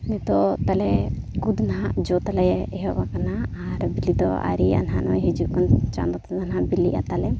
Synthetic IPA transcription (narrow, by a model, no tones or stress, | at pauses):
nɛt̪ɔt̪alɛ | kud̪nɦaʔd͡ʒɔt̪alɛɛɦɔbakanaːɾbilid̪ɔa̰ɾia̰nɦanɔ̰jɦɛd͡ʒuʔkɔnt͡ʃa̰nd̪ɔt̪ɛzanɦabiliʔa̰t̪alɛ